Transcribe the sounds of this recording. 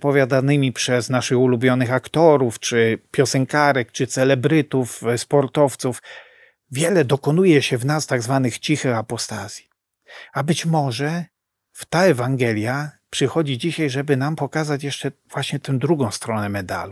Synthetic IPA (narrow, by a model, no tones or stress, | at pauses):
pɔvʲjad̪anɘmʲipʂɛznaʂɘxulubʲjɔnɘxakt̪ɔɾuft͡ʂɘpʲjɔsɛŋkaɾɛkt͡ʂɘt̪sɛlɛbɾɘt̪ufspɔɾt̪ɔft̪suf | vʲjɛlɛd̪ɔkɔnujɛɕɛvnast̪aɡzvanɘxt͡ɕixɘxapɔst̪az̥ʲji | abɘt͡ɕmɔʐɛ | ft̪aɛvaŋɡɛlʲjapʂɘxɔd͡ʑid͡ʑiɕajʐɛbɘnampɔkazat͡ɕjɛʂt͡ʂɛvwaɕɲɛt̪ɛw̃d̪ɾuɡɔ̃w̃st̪ɾɔnɛmɛd̪a̰lu